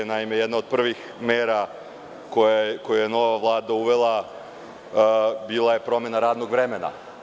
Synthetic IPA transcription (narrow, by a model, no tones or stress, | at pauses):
enaimejɛd̪naod̪̚pr̩ʋix | meːɾa | kojakojajeno̞ʋaʋlˠaːd̪auʋelˠa | biːlˠaje̞pɾo̞me̞naɾaːd̪noɡʋɾemena̰